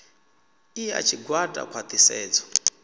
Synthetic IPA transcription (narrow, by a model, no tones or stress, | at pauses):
ia̰t͡ʃʰiɡwada̰kʰwat̪ʼisɛːd͡zɔ̥